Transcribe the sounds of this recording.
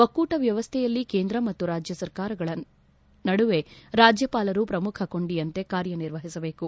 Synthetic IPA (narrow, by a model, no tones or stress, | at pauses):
ʋɐkːuːʈɐʋjɐʋɐst̪ʰɛjɐlːikeːnd̪ɾɐmɐt̪ːuɾaːd͡ʒjɐsɐɾkaːɾɐɡɐɭɐ | nɐɽuʋe̞ɾaːd͡ʒjɐpaːlɐɾupɾɐmukʰɐko̞ɳɖijɐnt̪e̞kaːɾjɐniɾʋɐɦisɐbe̞ːku